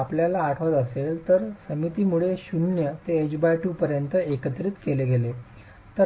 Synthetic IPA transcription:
apljalaːʈʰʋət̪əselt̪əɾsəmit̪imuɭeɕunjət̪eːd͡ʑbajʈuːpəɾjənt̪əekət̪ɾit̪keleɡele | t̪ə

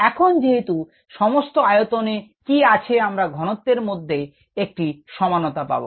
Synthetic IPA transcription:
ɛkʰond͡ʑeɦet̪u | ʃɔmost̪oajot̪onekiat͡ɕʰeamɾaɡʱɔnot̪ːeɾmod̪ʱːe | ek̚ʈiʃɔmanot̪apa̰bo̰

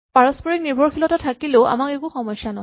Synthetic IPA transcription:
paɹɔspɔɹik̚niɹbʱɔɹxilɔtatʰakileʔa̰makekuxɔmɔjsanɔ

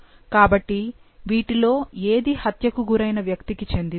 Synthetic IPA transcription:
kaːbɐʈːi | ʋiːʈilo̞ːeːd̪ihɐt̪jɐkuɡuɾɐjnɐʋjɐkt̪ikit͡ʃe̞nd̪i

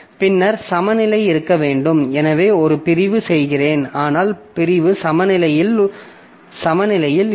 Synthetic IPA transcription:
pɪnːɐɾsɐmɐnɪlɐɪɪɾɯkːɐʋeːɳɖɯmɛnɐʋeːɔɾɯpɪɾɪʋɯsɛjɣɪreːnaːnaːlpɪɾɪʋɯsɐmɐnɪlɐjɪl | sɐmɐnɪlɐjɪl

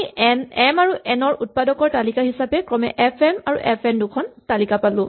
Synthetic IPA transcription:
ɛmaɹuʔɛnɔɹʔut̚padɔkɔɹtalikaɦisapɛkɹɔmɛ̰ʔɛpʰɛmaɹṵʔɛpʰɛmdʊkʰɔntalikapalʊ̃

